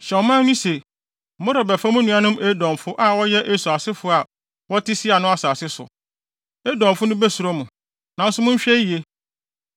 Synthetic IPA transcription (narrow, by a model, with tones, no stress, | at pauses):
ɕɛ˨ɔ˨mã˦nĩ˦se˨ | mʊ̃˦ɾɔ˨bæ˨fa˦mʊ̃˦nũ˦a˦nʊ̃˦me˦dɔ̃˨mfʊ˦ʔa˨wɔ˦jɛ˦ʔe˦su˨a˨sɪ˦fʊ˦a˨ | wɔ˦tʰɪ˦si˦a˨nʊ̃˦a˦˨sa˨sɪ˦sʊ̰˨ | e˦dɔ̃˨m˨fʊ˦nʊ̃˦be˦su˨ɾo˦mũ˨ | nã˨n˦sʊ˦mʊ̃˦ɲ˦ɕᶣɛ˦˨e˦